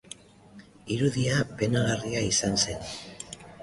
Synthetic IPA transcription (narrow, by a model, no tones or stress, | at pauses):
iɾuðiape̞naɣariaisanse̞n